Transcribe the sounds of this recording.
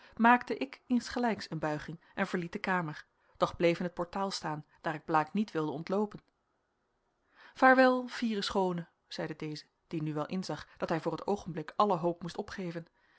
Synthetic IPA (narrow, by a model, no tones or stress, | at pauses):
maːktəʔɪkɪnsχəlɛjksənbœɥχɪŋ | ɛnvəɹlit̚dəkaːməɹ | d̥ɔχblejvənɦət̚pɔɹtaːlˠstaːnd̥aːɾɪɡ̚blaːknitʋɪlˠdəɔntlowpən | v̥aːɹʋɛlˠv̥iːrəsχownə | z̥ɛjdədejzə | d̥inyʋɛlˠʔɪnzɑχd̥ɑtɦɛjvʊːrətowχənblɪkɑləɦowpmustɔpχejvən